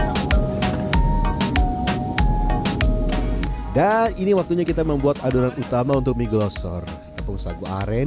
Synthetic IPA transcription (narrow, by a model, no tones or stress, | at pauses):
daniniwak̚t̪uɲakit̪aməmbuat̪aduɾanut̪amaunt̪ʊk̚miɡlɔsɔ̰r | it̪apʊŋsaɡua̰ɾɛ